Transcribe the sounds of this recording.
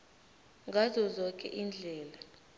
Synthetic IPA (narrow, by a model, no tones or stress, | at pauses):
ŋɡʱazɔzɔkʼɛ̰ʔiːnd͡ɮʱɛːla